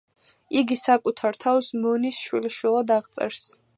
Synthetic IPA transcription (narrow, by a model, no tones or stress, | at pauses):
iɡisakʼut̪ʰaɾt̪ʰawsmɔnisʃwiliʃwilˠad̪aʁt̪sʼɛ̰ɾs